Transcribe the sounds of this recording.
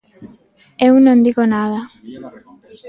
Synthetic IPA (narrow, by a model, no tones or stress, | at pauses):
ewnõnd̪iɣonaða